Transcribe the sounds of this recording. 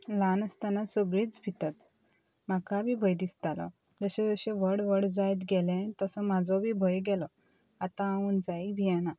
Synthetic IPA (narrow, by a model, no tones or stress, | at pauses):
lanəst̪anasəɡɭiːt͡sbʱit̪at̪ | makabʱibʱəjd̪ist̪alɔ̰ | d͡zəɕẽd͡zəɕẽʋəɽʋəɽd͡zajt̪ɡɛlɛ̃t̪əsɔmad͡zʱɔbʱibʱəjɡɛlɔ | at̪ãːuːnd͡zaibʱiɛna